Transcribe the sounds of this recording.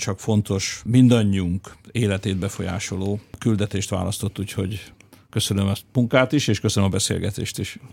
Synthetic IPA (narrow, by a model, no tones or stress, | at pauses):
t͡ʃɒkfo̞nt̪o̞ʃmind̪ɒɲːiuŋkeːlɛt̪eːd̪̚bɛfo̞ja̰ːʃo̞loːkyld̪ɛt̪eːʃt̪ʋa̰ːlɒst̪o̞t̪ːuːcho̞ɟkø̞sønømɛsmuŋkaːt̪iʃeːʃkøsønømɒbɛsḛːlɡɛt̪ḛːʃt̪iʃ